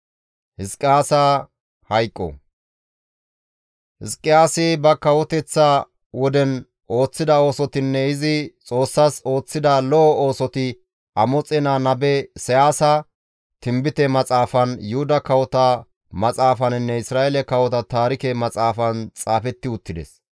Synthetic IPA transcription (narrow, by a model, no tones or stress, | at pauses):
hɪskʼːɪaːsa | hɐjkʼːɔ̰ | hɪskʼːɪjaːsɪbɐkɐwɔt̪ɛt͡sːa | wɔd̪ɛn | ʔo̞ːt͡sːɪd̪ɐo̞ːsɔt̪ɪnːɛɪzɪt͡sʼo̞ːsːɐso̞ːt͡sːɪd̪ɐlɔʔɔo̞ːsɔt̪ɪ | ʔɐmɔt͡sʼːɛnaːnɐbɛsɛjaːsɐ | t̪ɪmbɪt̪ɛmɐt͡sʼaːfɐnjʊhʊd̪ɐkɐwɔt̪ɐ | mɐt͡sʼaːfɐnɪnːɛɪsɾaːelɛkɐwɔt̪ɐt̪aːɾɪkɛmɐt͡sʼaːfɐnt͡sʼaːfɛt̪ːɪʊt̪ːɪd̪ɛ̰s